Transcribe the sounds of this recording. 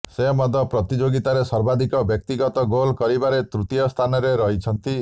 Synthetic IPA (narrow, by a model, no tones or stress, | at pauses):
semɔd̪ʱɔpɾɔt̪id͡ʒoɡit̪aɾesɔɾbad̪ʱikɔbjɔkt̪iɡɔt̪ɔɡolkɔɾibaɾet̪ɾut̪ijɔst̪ʰanɔɾeɾɔɦit͡ʃʰɔnt̪i